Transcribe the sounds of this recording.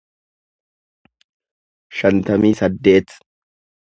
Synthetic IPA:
ʃɐnt̪ɐmiːsɐd̪ːe̞ːt̪

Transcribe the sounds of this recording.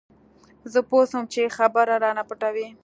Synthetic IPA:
zəposəmt͡ʃexabaɾaɾɑnapəʈawi

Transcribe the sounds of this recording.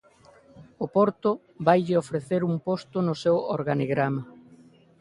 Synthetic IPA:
opoɾt̪ʊ | βajʎɪofɾeθeɾumpost̪ʊnʊsewo̰ɾɣaniɣɾama

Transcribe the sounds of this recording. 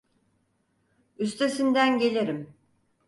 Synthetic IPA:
yst̪ʰe̞sind̪ænɟe̞lʲeɾim

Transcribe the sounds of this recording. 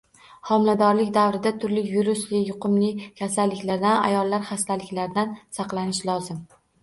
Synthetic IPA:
hɒmlad̪ɒɾlɪkʲd̪avɾɪd̪at̪ʰʊɾlɪjʊɾʊslɪjʊqʊmlɪkʲʰasalːɪkʲlaɾd̪ana̰jɒlˠːaɾχast̪ʰalɪkʲlaɾd̪ansɑqlˠanɪʃlˠɒzɪm

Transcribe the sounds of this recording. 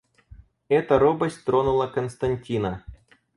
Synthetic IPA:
ɛt̪ɐɾobɐsʲtʲt̪ɾonulˠɐkɐnst̪ɐnʲtʲinɐ

